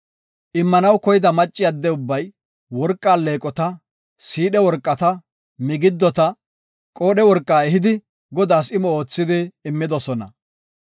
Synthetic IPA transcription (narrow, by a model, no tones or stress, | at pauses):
ʔɪmːɐnɐwkɔjɪd̪ɐmɐt͡ʃʼːɪjɐd̪ːɛʊbːɐj | wɔɾkʼːaːlːe̞ːkʼɔt̪ɐ | siːɗɛwɔɾkʼːɐt̪ɐ | mɪɡɪd̪ːɔt̪ɐ | kʼo̞ːɗɛwɔɾkʼːaːɛɦɪd̪ɪ | ɡɔd̪aːsɪmɔoːt͡sːɪd̪ɪːmːɪd̪ɔsɔnɐ̰